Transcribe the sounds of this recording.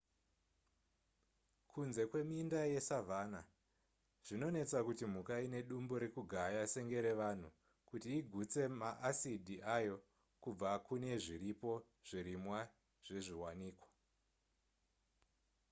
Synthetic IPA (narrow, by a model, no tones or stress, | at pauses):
kʰunze̞kwe̞mindaje̞savʱaːna | ʐ̥ino̞ne̞t͡sakutim̤ukaine̞ɗumboɾe̞kuɡʱajaseŋɡe̞ɾe̞ʋan̤u | kutiːɡʱut͡se̞maʔasidʱiʔajo̞ | kub͡vakune̞ʐiɾipo̞ | ʐ̥iɾimwa | ʐ̥eʐiwaniːkwḁ